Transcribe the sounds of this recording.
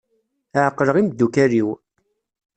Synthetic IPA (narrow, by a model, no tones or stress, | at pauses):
aʕəqːləʁimd̪ːukæɾiw